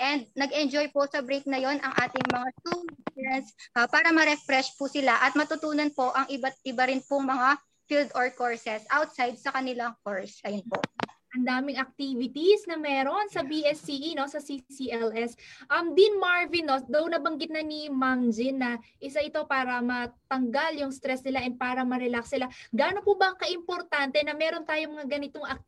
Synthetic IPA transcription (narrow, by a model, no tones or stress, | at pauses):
ʔɛnd̪̚nɐɡɛnd͡ʒojposɐbɾejk̚nɐjo̞nɐŋʔaːt̪ɪŋmɐŋat̪uɛnsʔɐpaːɾɐmɐɾɛfɾɛʃpʊsɪlaʔɐt̪̚mɐt̪ʊt̪uːnɐnpo̞ʔɐŋʔɪbat̪̚ʔɪbɐɾɪnpʊŋmɐŋa | fild̪oɹkoɹsɛsʔawt̪̚sajd̪̚sɐkɐnɪlaŋkoɹsʔɐjonpo̰ʔʔɐnd̪aːmɪŋɐk̚t̪iːvɪt̪isnɐmɛːɾo̞nsɐbiʔɛsːiʔino̞sɐsisiʔɛlʔɛsʔɐmd̪inmaɹvinːo̞d̪ɐwnɐbɐŋɡɪt̪nɐnimaŋd͡ʒɪnːɐʔɪsɐʔɪt̪o̞paːɾɐmɐt̪ɐŋɡaljʊŋst̪ɾɛsnɪlaʔɛnpaːɾɐmɐɾɛlaksnɪlaɡaːnopʊbɐŋkɐʔɪmpo̞ɾt̪ant̪ɛnɐmɛːɾo̞nt̪aːjoŋmɐŋaɡɐnɪt̪o̞ŋʔɐk̚